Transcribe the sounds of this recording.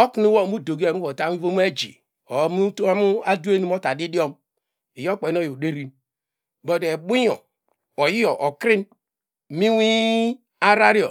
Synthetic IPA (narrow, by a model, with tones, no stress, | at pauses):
o˦ki˨˦ni˦wo˦˨mu˦do˨ɡo˦˨˦u˦o˨ta˦i˦vo˦m˦e˦d͡ʒḭ˨ | o˨˦m˦u˦to˦mu˦a˦du˦e˦ni˦m˦o˦ta˨di˦di˦o˦m | i˨jo˦k͡pe˨˦no˦˨jo˨de˦ɾi˦m | bo˦de˨bu˦jo̰˨ | o˨ji˦o˨ʔo˨kɾi˦n˨ | mi˦wi˦ | a˦ɾa˦ɾi˦o̰˨